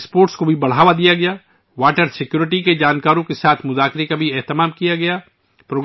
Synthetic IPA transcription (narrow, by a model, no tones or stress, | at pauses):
spoːɾʈskobʱibɐɽ̤aːʋad̪ijaɡɐjaː | ʋaːʈəɾsɪkjuːɾɪʈiked͡ʒaːnkaːɾõkesaːt̪ʰmʊzaːkɾekabʱiɛɦt̪ɪmaːmkijaɡɐjaː | pɾoːɡ